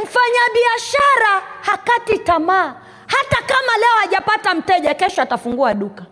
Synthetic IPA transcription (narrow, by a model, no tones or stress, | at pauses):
m̩faɲaɓiaʃaɾahakatitamaː | hatakamalɛɔaʄapatam̩tɛʄakɛʃɔatafuŋɡuaɗuka